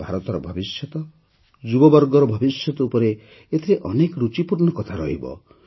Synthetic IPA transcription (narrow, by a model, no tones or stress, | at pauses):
bʱaɾɔt̪ɔɾɔbʱɔbisjɔt̪ɔ | d͡ʒubɔbɔɾɡɔɾɔbʱɔbisjɔt̪ɔupɔɾe | et̪ʰiɾeʔɔnekɾut͡ʃipuɾnɔkɔt̪ʰaɾɔ̰ɦibɔ̰